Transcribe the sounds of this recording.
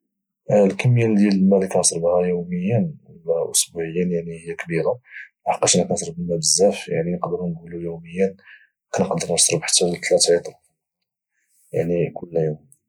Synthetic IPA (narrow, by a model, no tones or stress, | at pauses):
lkæmːjænd̪jælmælikænəsˤɾbhæjuwməjːənwəlæʔʊsbuʕəjːænjaʕnihəjːækbiɾalħɑ̥qːɑʃnæknsˤɾbəmːæbəzːæfjaʕninqd̪əɾnɡulujuməjːæn | kænəqd̪əɾˤnəsˤɾˤbħə̥t̪ːæwt̪læt̪ʕit̪ˤɾˤ | jaʕnikʊlːjum